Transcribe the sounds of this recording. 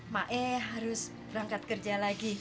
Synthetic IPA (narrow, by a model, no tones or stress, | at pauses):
maʔɛɦaɾʊs | b̥əɾaŋkat̪̚kərd͡ʒalaɡi